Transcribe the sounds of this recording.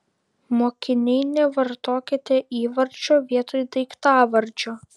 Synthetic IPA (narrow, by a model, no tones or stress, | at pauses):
moːkʲɪnʲɛɪnʲɛʋɐɾt̪oːkʲɪt̪ʲeːʔiːʋɐɾʲd͡ʒʲoːʋʲiɛt̪oːjd̪ɐɪkt̪ɑːʋɐɾʲd͡ʒʲoː